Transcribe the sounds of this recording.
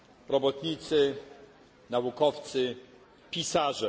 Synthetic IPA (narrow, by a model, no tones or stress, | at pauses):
ɾɔbɔt̪ɲit̪sɘ | naukɔft̪sɘ | pʲisaʐɛ